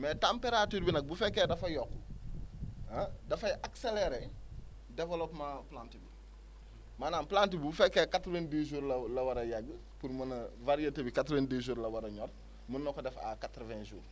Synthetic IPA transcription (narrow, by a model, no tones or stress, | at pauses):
mɛtãmpeɾatuːɾbinɐk̚bufɛkːɛːdɐfɐjɔkːu | adɐfɐjʔakselɛɾɛ | dɛvɛlɔpmãplãːntibi | maːnaːnplaːntibibufɛkːɛkatɾvendiʒuːɾlɐlɐwɐɾɐjɐɡːə | puɾmɐnɐvaɾijetɐbikatɾvɐndiʒuːɾlɐwɐɾɐɲɔr | munːɔkɔdɛfa̰katɾvɛ̃nʒuːɾ